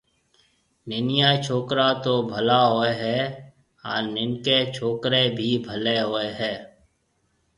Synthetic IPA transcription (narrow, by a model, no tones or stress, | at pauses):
nɪnɪjat͡ʃʰoːkɾat̪obʱəlaɦoːeɦɛː | aːɾnɪnket͡ʃʰoːkɾebʱiːbʱəleɦoːeɦɛː